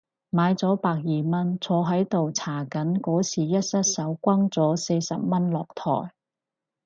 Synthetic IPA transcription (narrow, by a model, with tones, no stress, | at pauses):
maː˨˧jt͡sɔː˨˥paː˧k̚jiː˨mɐ˥nt͡sʰɔː˧ɦɐ˨˥jt̪o˨wt͡sʰaː˨˩kɐ˨˥nkɔː˨˥siː˨jɐ˥t̚sɐ˥t̚sɐ˨˥wkʷɐ˥ŋt͡sɔː˨˥se˧jsɐ̰˨p̚mɐ˥nlɔː˨k̚t̪ʰɔ̰ː˨˩j